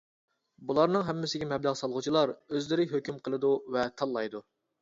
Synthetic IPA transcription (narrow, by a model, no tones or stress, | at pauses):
bulˠɑɾnɨŋɦɛmːɪsɪɡʲɛmɛblæʁsɑlˠʁʊt͡ʃʰilˠɑɾøzlɪɾɪɦøkʲymqʰəlˠɨd̪uvɛt̪ʰɑlˠːɑjd̪u